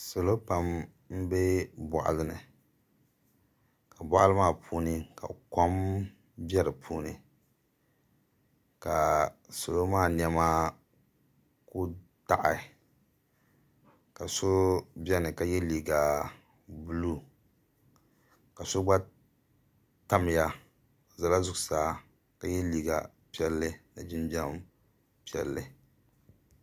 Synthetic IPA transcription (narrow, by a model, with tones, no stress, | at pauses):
so˨lo˦pa˦m | m̩˦be˦bɔ̰˨ʔa̰˨lɨ˦nɨ˨ | ka˨ba˨˦ʔlɨ˦maː˦˨pʰuː˦nɨ˦ka̰˨ko˦m | bʲɛ˦ɾɨ˨pʰuː˦nɨ˦ | ka˨so˨lo˦maː˦˨n˦ɛ˦maː˦ | ku˦ | ta˨ʔɪ˨ | ka˨so˦bɛ˦nɨ˨ka˦jɛ˦liː˨ɡa˨ | bu˦lu˦˨ | ka˨so˦ɡ͡ba˦ | ta˦m˨ja˦˨ | za˨la˦zʊ˦ksaː˨˦ | ka˨jɛ˦liː˨ɡa̰˨ | pi˦ɛ˦lːɨ˦nɨ˨d͡ʒɪ˦nbɛ˦m | pi˦ɛ̰˨lːɨ˨